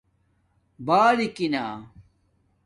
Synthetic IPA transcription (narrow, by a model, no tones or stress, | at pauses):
baːlikinaː